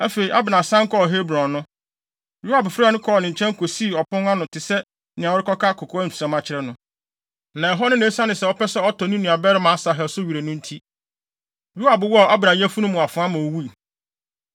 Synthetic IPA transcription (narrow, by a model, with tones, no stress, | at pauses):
æ˦fe˨ɾi˨ʔa˦bɪ˨nã˨sã˦ŋ˦kʰɔ˦˨ɦe˦bɾɔ̃˨nʊ̃˦ | ju˦a˨bʊ˨fɪɾnʊ̃˦kʰɔ˦˨nɪ̃˨ɲ̩˨t͡ɕʰɛ̃˦ŋ˦kʰo˨siː˦˨ɔ˨pʰʊ̃˦na˦nʊ̃˨tʰɪ˨sɛ˦ | nɪ̃˨ã˨wʊ˦ɾɪ˦kɔ˦kʰa˦kʰʊ˨kʰɔ˦n̩˨tʰi̥˨sɛ̃˨mã˦t͡ɕʰɪ˨ɾɛ˦nʊ̃˦ | nã˨ɛ˨ɦɔ˦nʊ̃˦nẽ˨˦sã˦nɪ̃˨sɛ˨ɔ˦pɛ˦sɛ˦ɔ˦tʰɔ˨nĩ˦nʊ̃˨a˨bɛ˦ɾɪ˦mã˨a˦sa˨ɦɛ˨sʊ˦ɥi˨ɾe˨nʊ̃˦n̩˦tʰi˦ | ɾu˦a˨bʊ˨wɔ˦˨a˦bɪ˨nã˨jɛ˦fu˦nʊ̃˦mːʊ̃˨a˨fʊ̃˨˦a˦mã˨o˨wu˦i˨